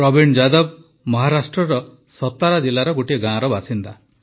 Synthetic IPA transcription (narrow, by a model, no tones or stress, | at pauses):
ɾɔbiɳd͡ʒad̪ɔb̚ | mɔɦaɾasʈɾɔɾɔ | sɔt̪ːaɾad͡ʒilːaɾɔɡoʈieɡãːɾɔbasint̪a